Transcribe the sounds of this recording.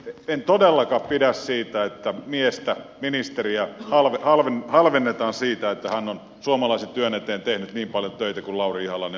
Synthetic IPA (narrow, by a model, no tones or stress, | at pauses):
ent̪odelːɑkɑppidæssiːt̪æet̪ːæmiest̪æminist̪eriæhɑlʋehɑlʋenhɑlʋenːet̪ɑːnsiːt̪æet̪ːæhænːon | suomɑlɑiset̪yønet̪eːnt̪ehnyt̪niːmpɑljot̪øˑit̪ækullɑuriihɑlɑne